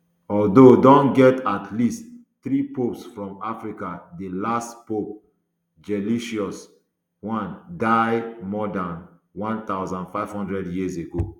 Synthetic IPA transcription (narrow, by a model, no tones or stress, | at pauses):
ɔldodɔ̃nɡɛtatʰlist | θɹipopsfɹɔ̃mafɹikadelastpop̚ | d͡ʒɛliʃiɔs | wãndaɪmɔdãn | wãnt̪aʊzãndfaɪv̥hɔ̃ndɹɛdjizeɡo